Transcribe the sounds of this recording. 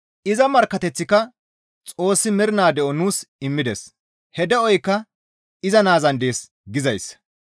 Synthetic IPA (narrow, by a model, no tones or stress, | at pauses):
ʔɪzɐmɐɾkːɐt̪ɛt͡sːɪkɐ | t͡sʼo̞ːsːɪmɪɾɪnaːd̪ɛʔɔnuːsɪmːɪd̪ɛs | hɛd̪ɛɔjkːɐ | ɪzɐnaːzɐnd̪e̞ːs | ɡɪzɐjs